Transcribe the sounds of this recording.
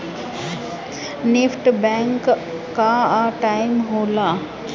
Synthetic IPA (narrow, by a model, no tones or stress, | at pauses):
nefʈbɛ̃ːŋkː | aʈaɪmɦoːla